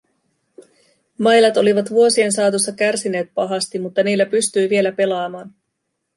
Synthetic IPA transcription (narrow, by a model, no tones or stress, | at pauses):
mɑjlɑt̪o̞liʋɑt̪ʋuo̞sie̞nsɑːt̪usːɑkærsine̞ːt̪̚pɑɦɑst̪immut̪ːɑniːlːæpyst̪yjʋie̞læpe̞lɑːmɑːn